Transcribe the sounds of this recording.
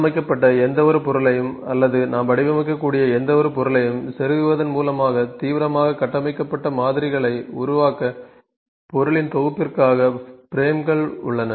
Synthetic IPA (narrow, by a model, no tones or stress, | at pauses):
mɐɪk̬ːɐpːɐʈːɐɛnd̪ɐʋɔɾɯpɔɾɯɭɐjɯmɐlːɐðɯnaːmpɐɽɪʋɐmɐɪkːɐkːuːɽɪjɐɛnd̪ɐʋɔɾɯpɔɾɯlɐjɯmsɛɾɯɣɯʋɐðɐnmuːlɐmaːɣɐt̪iːʋɪɾɐmaːɣɐkːɐʈːɐmɐɪkːɐpːɐʈːɐmaːðɪɾɪɣɐɭɐɪʊɾʊʋaːkɐ | pɔɾɯɭɪnt̪ɔɣɯpːɪrkaːɣɐpɪɾeːmɡɐɭʊ̰ɭːɐnɐ